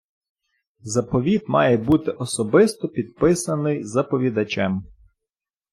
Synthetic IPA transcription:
zɐpɔʋʲid̪mɑjɛbut̪ɪʔɔsɔbɪst̪ɔpʲid̪pɪsɐnɪjzɐpɔʋʲid̪ɐt͡ʃɛm

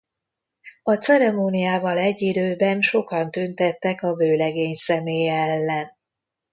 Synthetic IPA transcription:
ɒt̪sɛɾɛmoːnijaːvɒlɛɟːid̪øːbɛnʃo̞kɒnt̪ynt̪ɛt̪ːɛkɒbøːlɛɡeːɲsɛmeːjɛɛlːɛn

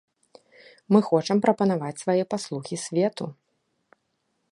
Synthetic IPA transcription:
mɨxɔt͡ʂɐmpɾɐpɐn̪avat͡sʲsvajɛpaslˠuxʲisʲvʲɛt̪u

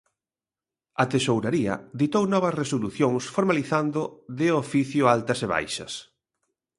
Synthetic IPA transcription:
ɐt̪esowɾaɾiɐ̰ðit̪ownɔβɐsresoluθjoŋsfoɾmaliθand̪ʊðɪofiθjʊalt̪ɐseβa̰jʃɐ̰s

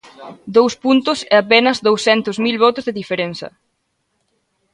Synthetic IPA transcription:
d̪owspunt̪ʊseapenɐzðowsθɛnt̪ʊzmilβɔt̪ʊzðeðifeɾenθɐ̰

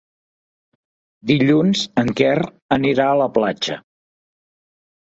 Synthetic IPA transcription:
d̪iʎunzəŋkɛr | əniɾaələplad͡ʒə̰

